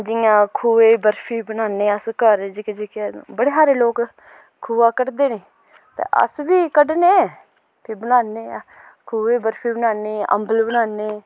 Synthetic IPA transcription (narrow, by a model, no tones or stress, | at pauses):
d͡ʒɪjãːkʰuːeːbəɾpʰiːbənaːneːəskəɾd͡ʒɪked͡ʒikebəɽeːsaːɾeːloːk | kʰuːaːkəɽd̪eːneː | t̪ḛʔə̰sbiːkəɖneː | pʰibənaːneː | kʰuːeːbəɾpʰiːbənaːneːə̰mbəlbənaːneː